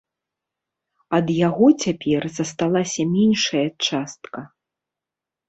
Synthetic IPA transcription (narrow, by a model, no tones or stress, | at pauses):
ɐd̪jaɣɔt͡sʲapʲɛrzɐst̪alˠasʲɐmʲɛnʲʂɐjɐt͡ʂast̪kɐ